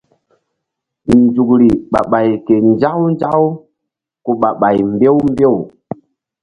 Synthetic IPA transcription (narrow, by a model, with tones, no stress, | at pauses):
nd͡ʒu˨kɾi˨ɓa̰˨ɓa˨jke˨nd͡ʒa˦wnd͡ʒa˦w | ku˨ɓa˨ɓa˨jmbe˦wmbe˦˨w